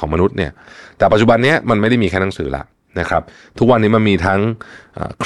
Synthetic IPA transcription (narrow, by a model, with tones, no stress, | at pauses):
ɔː˩˦ma˧nu˦˥t̪̚ni˥˩ɐt̪ɛː˨˩pa˨t̪̚t͡ɕu˨˩ba˧nːi˦˥ɐma˧nma˥˩jda˥˩jmiː˧kʰɛː˧˩na˦˥ŋsɯː˩˦la̰˨˩ʔ | na˦˥kʰɾa˦˥p̚ | t̪ʰu˦˥k̚wa˧nːiː˦˥ma˧nmiː˧t̪ʰa˦˥ŋʔa̰ː˨˩kʰ